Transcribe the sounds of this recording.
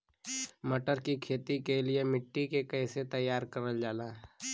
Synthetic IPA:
mɐʈəɾkikʰeːt̪ikeliemɪʈːikekɛːset̪əjːaːɾkɐɾəld͡ʒaːlaːɦ

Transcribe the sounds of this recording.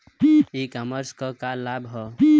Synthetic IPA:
ikaməɾskəkalabɦɔ

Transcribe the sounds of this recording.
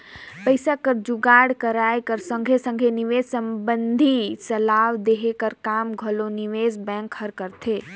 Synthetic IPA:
pəɪsakəɾd͡ʒuɡaɽkəɾajkəɾsə̃ŋɡʱesə̃ŋɡʱeniʋed͡ʒsəmbənd̪ʱisəlaʋd̪eɦekəɾkamɡʱəloniʋezbɛ̃ŋkhəɾkəɾt̪ʰe

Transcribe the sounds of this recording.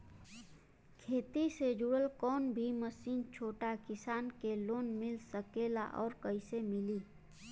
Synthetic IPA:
kʰeːt̪ised͡ʒuɽəlkɔːnbʱiməsiːnt͡ʃʰoːʈakɪsaːnkeloːnmɪlsəkeːla̰ʔɔ̰ːɾkəɪsemɪliː

